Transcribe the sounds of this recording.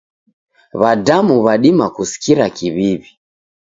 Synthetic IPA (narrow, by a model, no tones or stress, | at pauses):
βadamuβaɗimakusi̥kiɾakiβiβi